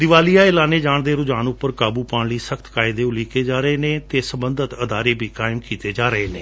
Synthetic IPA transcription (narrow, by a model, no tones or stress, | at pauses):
d̪ɪʋaːlijaːɪlaːneːd͡ʒaːɳd̪eːɾʊd͡ʒaːnʊpːəɾkaːbuːpaːɳliːsəkʰt̪kaːɪd̪eːʊliːkeːd͡ʒaːɾəeːnẽːt̪eːsəbənd̪ət̪əd̪aːɾeːbʱiːkaːɪmkiːt̪eːd͡ʒaːɾəeːneː